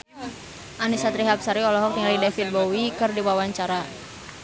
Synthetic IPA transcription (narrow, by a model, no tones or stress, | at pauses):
ʔanisat̪ɾiɦap̚saɾiɔlɔɦɔk̚t̪iŋalidɛfil̚bɔwikɨrdiwawaɲt͡ʃaɾa